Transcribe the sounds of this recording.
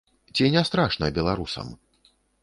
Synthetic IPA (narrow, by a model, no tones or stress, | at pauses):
t͡sʲinʲɛst̪ɾaʂnɐbʲɛlˠaɾusɐ̰m